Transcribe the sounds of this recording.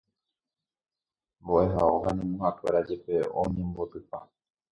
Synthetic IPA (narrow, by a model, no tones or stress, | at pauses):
mboʔe̞ɦaoɦãnĩmũhakʷeɾad͡ʒe̞pe̞õ̰ɲẽ̞mbo̞t̪ɨpa